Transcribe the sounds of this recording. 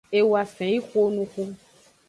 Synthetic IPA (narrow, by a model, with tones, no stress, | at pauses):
e˦wwa˨fɛ̃˨˦ji˦xʷo˦nũ˦xu˦